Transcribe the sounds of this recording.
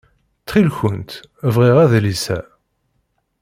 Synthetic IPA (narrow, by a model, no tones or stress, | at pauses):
t͡s̪ːχilçənt̪ | vʁiʁæðlisæ̰